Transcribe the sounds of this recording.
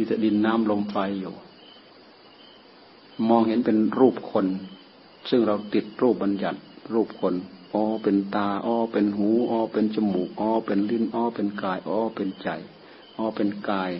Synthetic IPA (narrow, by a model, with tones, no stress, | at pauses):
t̪ʰi˧˩t̪a˧˩di˨˧˨nːaː˧˥˨mlo˧˥mfa˧juː˨˩ | mɔː˧ŋhe˨˦npe˨nɾuː˧˩p̚kʰo˧n | sɯ˧˨ŋɾa˧wt̪i˨˩t̪̚ɾuː˥˩p̚ba˨nja˨˩t̪̚ɾuː˧˩p̚kʰo˧˥nʔɔː˧˩pe˨nt̪aː˧˩ʔɔː˧˩pe˨nɦuː˨˦ʔɔː˧pe˨nt͡ɕa˧mu˨˩k̚ʔɔː˧˩pe˨nli˧˥˨nʔɔː˧˥pe˨nkaː˧˩jʔɔː˧˦pe˨nt͡ɕa̰˨˩j | ʔɔː˧˩pe˨nkaː˧˩j